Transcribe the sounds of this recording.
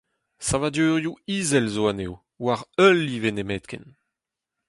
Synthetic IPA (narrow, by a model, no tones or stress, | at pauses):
savad̪øːʁjuiːzɛlzoanew | waʁœlivenemɛt̪kɛ̰n